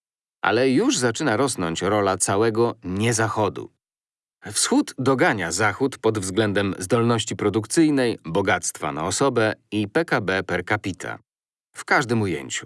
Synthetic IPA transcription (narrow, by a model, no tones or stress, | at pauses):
ʔa̰lɛjuʐzat͡ʂɘnaɾɔsnɔ̰ɲt͡ɕɾɔlat̪sawɛɡɔɲɛzaxɔd̪ṵ | fsxud̪d̪ɔɡaɲazaxut̪pɔd̪vzɡlɛnd̪ɛmzd̪ɔlnɔɕt͡ɕipɾɔd̪ukt̪sɘjnɛjbɔɡat̪st̪fa̰na̰ɔsɔbɛipɛkabɛpɛɾkapʲit̪ʰa̰ | fkaʐd̪ɘmujḛɲt͡ɕu̥